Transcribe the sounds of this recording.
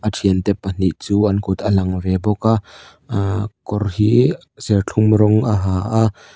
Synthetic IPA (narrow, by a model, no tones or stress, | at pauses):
ʔətʰiənt̪ɛpːan̥iʔt͡suːʔɐnkut̪əlɐŋvɛbɔkaʔ | kɔrhi | sɛrt͡ɬʰumɾɔŋʔaɦaːʔaʔ